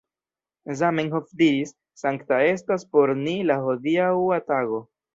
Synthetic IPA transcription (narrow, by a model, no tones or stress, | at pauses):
zamiŋɦofdiɾisː | aŋktae̞staspo̞ɾnilahodiawataɡo̞